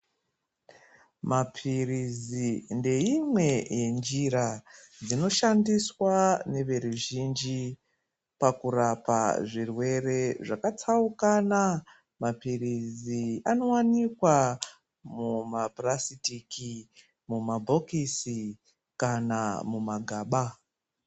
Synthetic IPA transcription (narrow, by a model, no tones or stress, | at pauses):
mapʰirizinde̞imwe̞je̞nd͡ʒiɾad͡zino̞ʃandiswane̞ʋe̞ɾuʒind͡ʒi | pakurapa̰ʐirwe̞re̞ʐakat͡saukana | mapiriziano̞wanikwa | mumaprasitiki | mumabʱo̞kisi | kanamumaɡʱaːɓa